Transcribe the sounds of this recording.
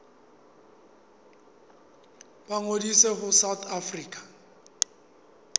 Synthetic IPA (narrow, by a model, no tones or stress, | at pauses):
baŋodiseɦʊsawt̪ʰafriːkʼḁ